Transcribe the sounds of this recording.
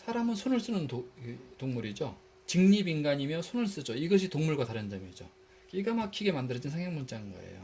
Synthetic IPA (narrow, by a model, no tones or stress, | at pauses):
sʰaɾamɯnsʰonɯɭs͈ɯnɯnotoŋmuɾid͡ʑo | t͡ɕɯŋɲibinɡaɲimjʌsʰonɯɭs͈ɯd͡ʑoiɡʌɕʰitoŋmuɭɡwataɾɯnd͡ʑʌmjed͡ʑo̰ | k͈iɡamakʰiɡe̞mandɯɾʌd͡ʑinsʰaŋɦjʌŋmunt͡ɕ͈aɯnɡʌ̰ḛjo̰